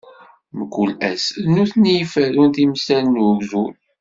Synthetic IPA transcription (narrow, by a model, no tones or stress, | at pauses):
məkʷːulæ̰snuθnijəfæɾunt̪imsænnəɡzun